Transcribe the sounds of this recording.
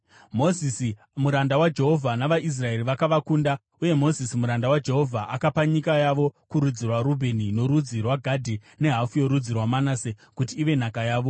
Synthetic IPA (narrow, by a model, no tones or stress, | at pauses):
mo̞zisi | muɾandawad͡ʒe̞ɦo̞vʱanaʋaʔis̬rae̞riʋakaʋakuːnda | uje̞mo̞zisimuɾandawad͡ʒe̞ɦo̞vʱaʔakapaɲikajaʋo̞kuɾud͡zirwaɾubʱe̞nino̞ɾud͡zirwaɡʱadʱi | ne̞ɦafujo̞ɾud͡zirwamanasekutiːʋe̞n̤akajaːʋo̞